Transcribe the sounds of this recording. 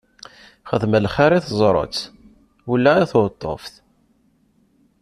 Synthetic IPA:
χəðməlχaɾiθzˤɾˤə̰t͡sː | ulːæiθot̪ˤːo̰fθ

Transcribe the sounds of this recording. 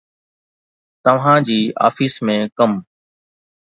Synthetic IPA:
t̪əʋ̤ɦãːd͡ʑiːa̰ːfiːsmẽːkəm

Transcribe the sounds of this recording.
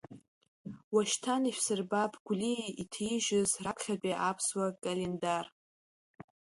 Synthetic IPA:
waʃtʰaniʃʷᶣsɨrbapʰʼɡʷliitʰiʒɪzrakʰχʲapʼiʔapʰswakʼalendar

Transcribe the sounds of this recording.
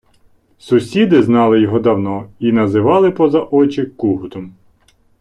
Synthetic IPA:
sʊsʲid̪ɪznɑlˠɪjɔɦɔd̪ɐwnɔinɐzɪʋɑlˠɪpɔzɐʔɔt͡ʃɪkːuɦʊt̪ɔm

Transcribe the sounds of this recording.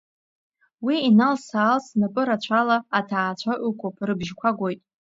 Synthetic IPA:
wiːnalsaːlsnapʼɨɾat͡ɕʷʰalaːtʰaːt͡ɕʷʰaʔʷɨkʷʰʼopʼrɨbʒkʷʰaɡʷojtʼ

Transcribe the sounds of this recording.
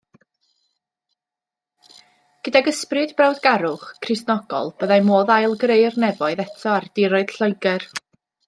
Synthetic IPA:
ɡ̥ədaɡəsprɨdbrawdɡaɾʊχkʰrɨsnɔɡɔ̰lˠb̥əðajmoːðajlˠɡrejrnɛvɔɨðɛtʰɔardɪɾɔɨd̥ɬəɨɡɛr

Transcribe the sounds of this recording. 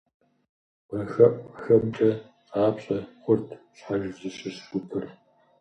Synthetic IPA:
mɐxɐpʼxɐmt͡ʃʼɐ | aːpɕʼɐχʷʊrtʰ | ɕħaʒɪzɨɕʼɪsɡʷʊtʰɨr

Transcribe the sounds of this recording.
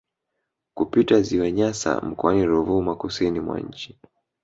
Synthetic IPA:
kupitaziwaɲasa̰m̩kɔaniɾuvumakusinimwa̰ɲ̩t͡ʃi̥

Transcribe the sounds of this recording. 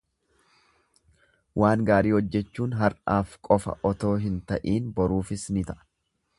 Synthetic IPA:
wʔaːŋɡaːɾiːhɔd͡ʒːɛt͡ʃːuːnɦɐɾʔaːfkʼɔfɐ̰ʔɔt̪o̞ːɦɪnt̪ɐʔiːnbɔɾuːfɪsnɪt̪ɐʔɐ̥

